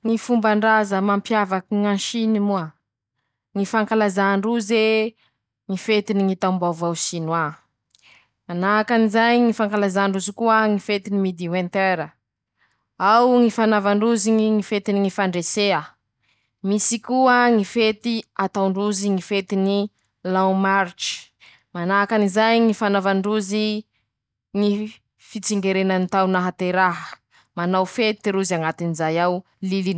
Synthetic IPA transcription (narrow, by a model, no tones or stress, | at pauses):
ŋifumbaɳɖ͡ʐazəmampjavakiŋãnʃinimuə | ŋifaŋkalazaːɳɖ͡ʐuze | ŋifet̪iniŋit̪ambawvawsinwa | anaakanizajŋifaŋkalazaɳɖ͡ʐuzikuəŋifet̪inimid̪iwẽnt̪eɾə | awŋifanavaɳɖ͡ʐuziŋiŋifet̪iniŋifaɳɖ͡ʐesea | misikuəŋifet̪iat̪awɳɖ͡ʐuziŋifet̪ini | lãwmaɾʈ͡ʂi̥ | manaakanizajŋifanavaɳɖ͡ʐuzi | ŋi | fit͡siŋɡeɾenanit̪awnaɦat̪eɾaɦə | manawfet̪ɾuzaŋat̪inizajaw | lilin